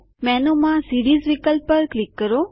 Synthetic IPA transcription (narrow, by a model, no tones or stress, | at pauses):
mɛnomãsiːɾiːzʋikəlpːəɾklɪkːəɾo